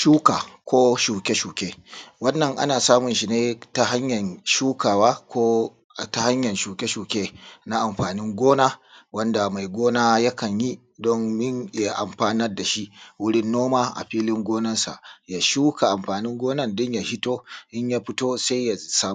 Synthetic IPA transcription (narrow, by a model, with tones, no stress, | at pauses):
ʃuː˦ka˨kʷoː˦ʃuː˨kʲe˦ʃuː˨kʲeː˦wɐ˦nːɐ˨ŋʔa̰˦naː˨saː˦mʊ˨nʃi˨neː˦ta˦ɦa˦ɲjɐ˨nʃuː˦kaː˨waː˦kʷoː˦˨ | ta˨ha˦ɲjɐ˨nʃuː˨kʲe˦ʃuː˨kʲeː˦na˦ʔa˨mɸaː˨nɪ˦ŋɡʷoː˦naː˦wɐ˦nda˨ma˨jɡʷoː˦naː˦ja˦kɐ˨ɲji˦ | dɔ˦ŋmɪ˦n˨˦a˨ʔa̰˨mɸaː˦nɐ˦rda˨ʃi˦ʔwʊ˦ɽɪ˦nːoː˦maː˦ʔa̰˨ɸiː˦lɪ˦ŋɡʷoː˦nɐ˦nsa̰˨ʔja˨ʃuː˦kʰa˨ʔa˨mɸaː˨nɪ˦ŋɡʷoː˦nɐ˦ndʊ˦ɲja˨hɪ˦toː˦ʔɪ˦ɲjaː˦ɸɪ˦toː˦sa˦jja˨saː˦